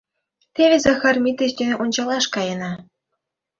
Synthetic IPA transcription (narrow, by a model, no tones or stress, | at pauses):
t̪ʲeʋʲezɑxɑrmʲit̪ʲeɕd̪ʲynʲeʔunɕɑlˠɑʂkɑjɤ̆nɑ̆